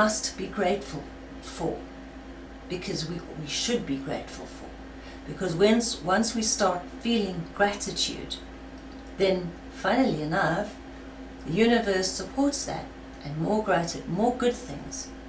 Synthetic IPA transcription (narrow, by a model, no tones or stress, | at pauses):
ʌstb̥iɡɹeɪtfəl̩ˠ | fə̰˞ | b̥ɨkʰʌzwiwiʃɨd̚biɡɹḛɪtfəl̩ˠfə̰˞ | b̥ɨkʰʌzwɛ̃nswʌ̃nswistɑɹtfilˠɪ̃ŋɡɹæɾɨtʰjʉ̰d̪̚ | ðɨ̃n | fãɪ̃nl̩ˠiɨnʌf | ðɨjʉnɨvɜ˞səpʰɔɹtsðɨ̰ɾ | ʔɨ̃nmɔɹɡɹæɾɨd̚mɔɹɡʊd̪̚θɪ̰̃ŋz̥